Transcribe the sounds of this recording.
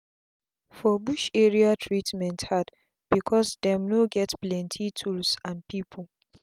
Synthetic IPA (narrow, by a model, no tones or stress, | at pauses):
fɔbuʃɛɹiatʰɹitmɛ̃nthad | b̥ikʰɔsdɛ̃mnoɡɛtplɛ̃ntʰitʰulsãnpipʰol